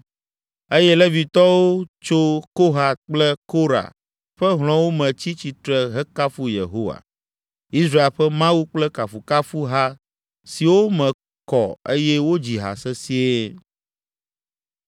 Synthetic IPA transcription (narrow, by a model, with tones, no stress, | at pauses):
e˦jɛ˦lɛ˦vi˨t̪ɔ˦wo˦t͡ʃo˦ko˦ɦa˨k͡plɛ˦ko˦ɾa̰˨ | ɸɛ˦ɦl̃ɔ̃˦wo˦mɛ̃˨t͡ɕi˦t͡ɕi˨t̪ɾɛ˨ɦɛ˦ka˦fu˦jḛ˨ɦo˦wa̰˨ | i˦sɾa˦e˨lɸɛ˦mã˦wu˦k͡plɛ˦ka˨fu˨ka˦fu˦ɦa˦ | si˨wo˦mɛ̃˨ | kɔ̰˨e˦jɛ˦wo˦d͡ʑi˨ɦa̰˨sɛ˦si˦e˦